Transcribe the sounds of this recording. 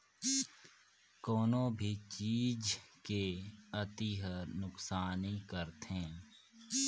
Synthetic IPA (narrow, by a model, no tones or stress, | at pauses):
kɔːnõbʱit͡ʃiːd͡ʒkeət̪iɦənʊksaːnikəɾt̪ɦẽː